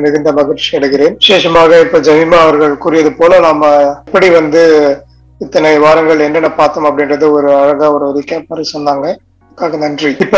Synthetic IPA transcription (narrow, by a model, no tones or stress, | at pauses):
mɪɣɯnd̪ɐmɐɣɪʈt͡ʃiɐɽɐɣɪreːnʋɪʂeːʂɐmaːɣɐɪpːoːd͡ʒɐʋɪmaɐʋɐɾɣɐɭkuɾɪjɐðɯpoːlɐnaːmɐpːɐɽiʋɐnd̪ɯ | ɪt̪ːɐnɐɪʋaːɾɐŋɡɐɭɛnːɐnɐpaːɾt̪ɐmɐpːɐɽɪnrɐðɯɔɾɯɐɻɐɣɐɔɾɯɐɾɪkːɐpɐɾɐsɔnd̪aːŋɡɐ | ɐðɯkːaːɣɐnɐndriɪpːo